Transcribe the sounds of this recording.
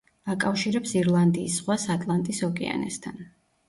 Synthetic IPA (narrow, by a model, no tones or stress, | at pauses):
akʼafʃiɾɛpsiɾlˠand̪iːsʁwasat̪ʼlˠant̪ʼisɔkʼɛ̰a̰nɛ̰st̪ʰan